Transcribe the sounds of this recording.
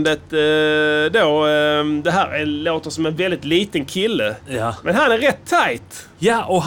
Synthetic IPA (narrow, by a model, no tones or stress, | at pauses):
nd̪ət̪ | d̪oːd̪ɛɦæːɾɛnloːt̪əʂsɔmɛnvɛld̪ɪt̪liːt̪ənkʰɪlːəmʔɛnɦanæɾːɛt̪ʰːaɪt̪ | jɔ